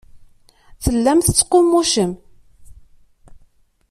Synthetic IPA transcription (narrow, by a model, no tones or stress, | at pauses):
θəlːæmθət͡sːqːomːuʃəm